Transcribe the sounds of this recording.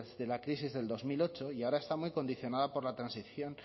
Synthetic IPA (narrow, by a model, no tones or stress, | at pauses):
ðe̞lakɾisizðe̞ld̪o̞zmilo̞t͡ʃo̞iaoɾae̞st̪amwujko̞nd̪iθjo̞nað̞apo̞ɾlat̪ɾansiθjo̞n